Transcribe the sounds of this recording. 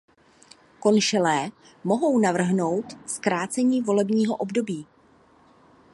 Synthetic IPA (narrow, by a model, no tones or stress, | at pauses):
ko̞nʃɛlɛː | mo̞ɦo̞wnavr̩ɦno̞wt̪skɾaːt͡sɛɲiːvo̞lɛbɲiːɦo̞ʔo̞bdo̞biː